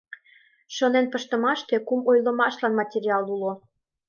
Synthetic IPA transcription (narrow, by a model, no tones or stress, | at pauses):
ʃɤnenpəʃt̪ə̆mɑʃt̪ekumojlə̆mɑʃlɑnmɑtʲeɾʲiɑlulo